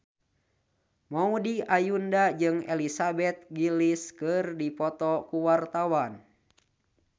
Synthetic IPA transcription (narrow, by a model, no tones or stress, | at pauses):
maudiajundad͡ʒɨŋɛ̰lisabɛt̪̚ɡiliskɨrdipɔt̪ɔkuwart̪awan